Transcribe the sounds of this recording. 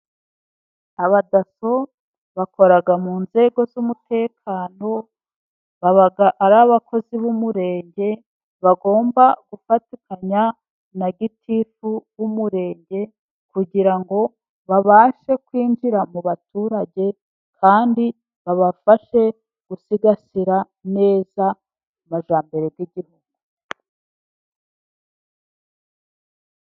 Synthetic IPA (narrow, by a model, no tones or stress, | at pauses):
aβadaso̞ | βakʰo̞ɾaɡamuːnze̞ɡo̞zumutʰe̞ːkʰaːno̞ | βaβaɡaʔaɾaβakʰo̞ziβumuɾe̞ːɲɟe̞ | βaɡo̞ːmbaɡ̥ufatukaɲa | naɡitʰifuβumuɾe̞ːɲɟe̞ | kuɟiɾaŋɡo̞ | βaβaːʃe̞kwiːnd͡ʒiɾamuβatuːɾaɟe̞ | kʰaːndi | βaβafaʃe̞ | ɡ̥usiɡasiɾa | ne̞ːza | umaʒaːmbe̞ɾe̞ɡɡiɟihuɡ̚u